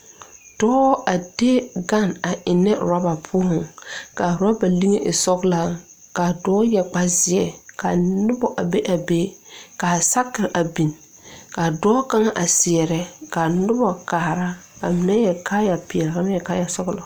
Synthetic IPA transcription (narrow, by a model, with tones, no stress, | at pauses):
tɔː˦a˨de˦ɡa˦˨na˨ʔɪ˨nɛ˦ɾa˦ba˨pʰʊ˦hʊ̃˨ŋka˨ɾa˦ba˨li˦ŋe˦ʔɪ˨sɔ˦ɡla˦ | ka˨dɔː˦jɛ˨k͡pa˦zɪ˨ɛ˨ka˨nʊ˦bɔ˨ʔa˨be˦ʔa˨beː˦ka˨sa˦kɪ˨ɾʔa˨bi˨n | ka˨dɔː˦ka˦ŋa˦ʔa˨sɪ˨ɛ˨ɾɛ˦ka˨nʊ˦bɔ˨kaː˨ɾa˦ka˨mɪ˨nɛ˦jɛ˨ka˦ja˨pɪ˨ɛ˨la˦m˦jɛ˨ka˦ja˨sɔ˦ɡla˨